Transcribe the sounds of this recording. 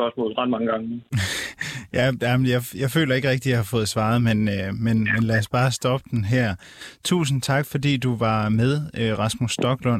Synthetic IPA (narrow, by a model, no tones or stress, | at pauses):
ɶɐsmɔ̰ːl̩ˠʁɑd̥̚mɑ̈ŋəɡ̥ɑ̈ŋə | jæjæmenjɑɪjɑ̈ɪfø̰ːlɐe̝ɡ̥ʁɛɡ̥̚d̥ijɑ̈hɑ̈fɔ̽ːð̩ˠsʋɑ̈ːð̞ˠmenømenmenlæɐsb̥ɑ̈ːsd̥ɒ̽b̥əd̥enɦæɐ̰ | t͡sʰṵːs̬n̩t͡sʰɑ̈ɡ̥fɒ̽dḭːd̥uʋɑ̈með̞ˠøʁɑ̈smusːd̥ɒ̽ɡ̥lɔn